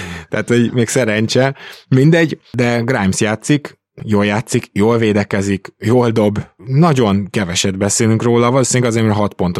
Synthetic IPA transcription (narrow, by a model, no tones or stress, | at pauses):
t̪ɛːt̪ho̞ɟmeːksɛɾɛɲt͡ʃɛmind̪ɛɟd̪ɛɡrajmsjaːt̪sik | joːljaːt̪sikjoːlveːd̪ɛkɛzikjoːld̪o̞bnɒɟo̞nkɛvɛʃɛd̪bɛseːlyŋkroːlɒvɒloːsinlːɛɡɒzeːrmɛɾɦɒt̪po̞nt̪o